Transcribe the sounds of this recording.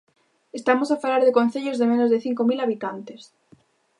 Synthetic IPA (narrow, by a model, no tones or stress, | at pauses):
est̪amosafalaɾðekõn̟θeʎozðemẽnozðeθiŋkomilaβ̞it̪ant̪es